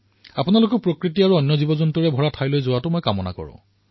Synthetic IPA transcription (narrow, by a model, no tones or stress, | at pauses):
apʊnalʊkɔpɹokɹitiaɹuɔnjɔzibɔzɔntuɹɛbʱɔɹatʰajlojzʊwatʊmɔjkamɔna̰kɔ̰ɹʊ̰̃